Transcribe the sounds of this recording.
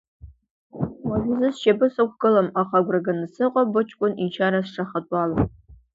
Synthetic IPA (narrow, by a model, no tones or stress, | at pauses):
wɐʒʷɪzɨsʃɐbɨsɐkʷʰɡɨlɐmaχɑɡʷrɐɡɐnɨsɨqʷʼɔbʊt͡ʃʼkʷʼʊnint͡ʃʰaːɾɐsʂʰɐχɐtʷʼɑːlɐ